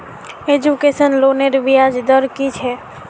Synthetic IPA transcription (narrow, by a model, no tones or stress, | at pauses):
ed͡ʒukesənloneɾbijad͡ʒd̪əɾkit͡ʃʰɛ